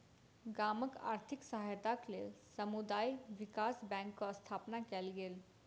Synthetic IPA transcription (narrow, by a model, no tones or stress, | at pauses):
ɡaːməka̰ːɾt̪ʰiksəɦajt̪aklḛsəmud̪aːjʋɪkaːsbɛ̃ŋkːost̪ʰaːpnakɛːlɡeːl